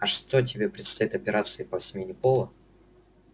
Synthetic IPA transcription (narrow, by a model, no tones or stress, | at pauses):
ɐʂt̪o̞t̬ʲɪbʲepɾʲɪt̪st̪ɐit̪ɐpʲɪɾʔat̪sɨɪpəsʲɪmʲenʲɪpolˠə